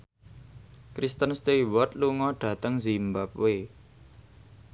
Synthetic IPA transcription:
kɾist̪ənst̪eiwɔt̪̚luŋɔɖ̥ä̤t̪əŋzimbap̚we

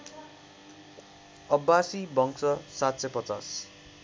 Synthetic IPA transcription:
ʌbːasibʱʌŋksʌsat̪sʌpʌt͡sas

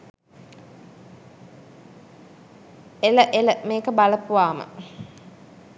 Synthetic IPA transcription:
eləʔeləmeːkəbalɐpuʋaːmə̰

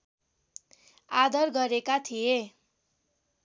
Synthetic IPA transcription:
ad̪ʌrɡʌɾekat̪ʰije

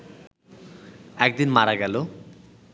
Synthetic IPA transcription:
ɛk̚d̪inmaɾaɡɛlo

